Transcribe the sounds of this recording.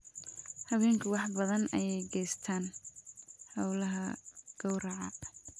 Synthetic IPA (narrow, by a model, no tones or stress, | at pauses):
hɐβɛːŋkʰʊwɑħbɐðɐnɐjɛjɡɛjst̪ʰaːn | hɐwlɐɦɐɡ̥ɔwɾɑʕɑ̰